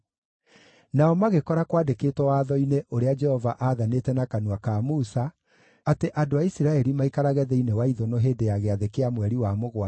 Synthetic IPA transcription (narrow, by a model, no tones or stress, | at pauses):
naɔmaɣekɔɾakwaːdeketwɔwaːðɔineʔoɾead͡ʒɛhɔvaʔaðanetɛnakanuakamusa | ateʔadoaisiɾaɛɾimaikaɾaɣɛðɛinewaiðɔnɔɦeːndejaɣɛaðekeamwɛɾiwamoɣwa